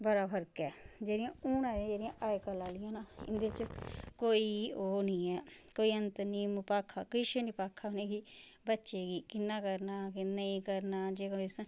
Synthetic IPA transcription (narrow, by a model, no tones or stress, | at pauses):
bəɾaːpʰəɾkɛːd͡ʒeːɾɪjãːuːnãːd͡ʒ̃d͡ʒeːɾɪjãːʔaːekəlaːlɪjãːnaːɪ̰nd̪eːt͡ʃkoːiːoːnĩːɛːkoːiːənt̪nĩːmpaːkʰːaːkiʃeːnĩːpaːkʰːaːɦoneːɡiːbətːʃeːɡiːkɪnːaːkəɾnaːkɪnːaĩːkəɾnaːd͡ʒeːkaɪs